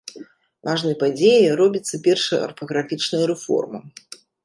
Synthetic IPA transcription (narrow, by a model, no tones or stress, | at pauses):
vaʐnɨjpad͡zʲejiɾɔbʲit̪sːɐpʲɛrʂɐjɐ̰ɐ̰rfɐɣɾafʲit͡ʂnɐjɐɾɛfɔ̰rmɐ